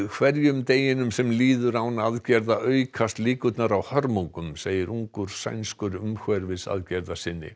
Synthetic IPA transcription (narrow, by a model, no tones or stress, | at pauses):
kʰvɛɾjʏmt̪eːjɪnʏmsɛmliːðʏɾawnaðcɛɾðaʔœːɥkʰast̪liːkʏt̪naɾawhœɾmoŋkʏmseːjɪɾʔuŋkʏɾ̥sa̰jnskʏɾʏmxɛɾvɪðsa̰ðcɛɾðasɪnːɪ̰